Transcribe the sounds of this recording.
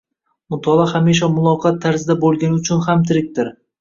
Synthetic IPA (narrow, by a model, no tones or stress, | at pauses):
mʊt̪ʰɒlˠɒhamiʃ̬ɒmʊlˠɒqʰɑt̪ʰːaɾzɪd̪abolˠɡʲanɪʊt͡ʃʰʊnhamt̪ʰɪɾɪk̚ʲt̪ɪɾ